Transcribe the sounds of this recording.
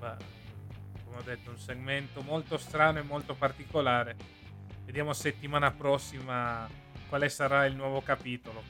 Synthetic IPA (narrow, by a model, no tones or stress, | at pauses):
ba | komeɔd̪ːet̪ːounseɡment̪omolt̪ost̪ɾaːnoemːolt̪opart̪ikolaːɾe | ved̪jaːmoset̪ːimaːnapɾɔsːima | kwaːlesaɾailnwɔːvokapiːt̪olo